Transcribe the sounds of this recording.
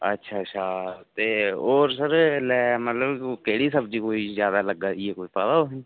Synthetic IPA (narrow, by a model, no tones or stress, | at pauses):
ə̰tːʃʰatːʃʰat̪eːoːɾsəɾlɛːmət̪ləbkeːɽisəbd͡ʒiːkoːizjaːd̪aləɡːajekoːipəd̪aoɦĩ